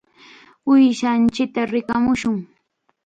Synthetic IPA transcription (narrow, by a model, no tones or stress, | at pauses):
ʊjʃant͡ʃɪk̚t̪aɾɪkamʊʃʊŋ